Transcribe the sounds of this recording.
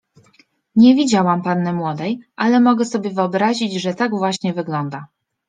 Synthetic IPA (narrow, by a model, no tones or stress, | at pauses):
ɲɛvʲid͡ʑawampanːɛmwɔd̪ɛjʔalɛmɔɡɛsɔbʲjɛvɘɔbɾaʑid͡ʑʐɛt̪aɡvwaɕɲɛvɘɡlɔnd̪a